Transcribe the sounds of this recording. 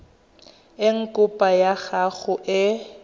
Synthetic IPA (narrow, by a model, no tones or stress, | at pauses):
ɪŋ̩kʼʊpʼajaɣaɣʊʔɪ